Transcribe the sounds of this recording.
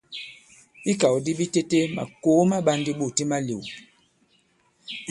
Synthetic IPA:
i˦ka˨wdi˦bi˦te˦te˦ma̰˨ko˨˦ma˦ɓa˦ndi˦ɓu˦˨ti˦ma˦li˨w

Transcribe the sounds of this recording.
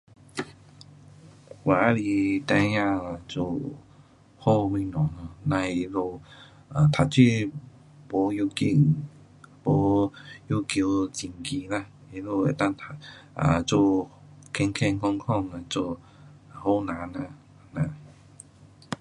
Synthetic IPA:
wa˨˦li˧t̪ã˧jã˧˨a˧t͡so̰˧˨ | ho˥˧mĩ˧˨nɔ̃˨˦na˧˩nã˧˨i˧˦lo˥˧ | a˨t̪ʰa˨˩t͡si˥˧˨ | po˨˦ju˧ki˧˩ | bo˨˦ju˧ki˧t͡ɕi˨˩ŋki˧˦la˧˨ | e˧˦lo˧˨e˨˩t̪a˥˧˨ŋt̪ʰa˧a̰˨t͡so˧ | kʰɛ˧ŋkʰɛ˥˧nkɔ˥˧ŋkʰɔ˥˧ŋa˧˨t͡so˧˨ | ho˥˧nã˨˦nã˧˨ | nã˧˨

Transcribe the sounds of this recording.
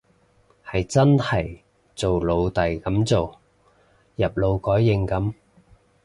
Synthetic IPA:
hɐ˨jt͡sɐ˥nhɐ˨˩j | t͡so˨wlo˨˧wt̪ɐ˨jkɐ˨˥mt͡so˨w | jɐ˨p̚lo˨˧wkɔː˨˥jːɪ˧ŋkɐ˨˥m

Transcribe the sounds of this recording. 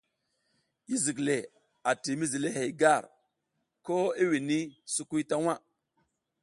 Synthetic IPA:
i˦zi˨kle˨ | a˨ti˨mi˦zi˨le˦ɦe˨jɡa˦˨ɾ | ko˦i˦wi˨ni˦su˨ku˦jta˦wa˦

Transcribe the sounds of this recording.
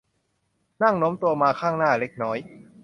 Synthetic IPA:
na˥˩ŋno˦˥mt̪u˧ɐmaː˧kʰaː˥˩ŋnaː˥˩le˦˥k̚nɔː˦˥j

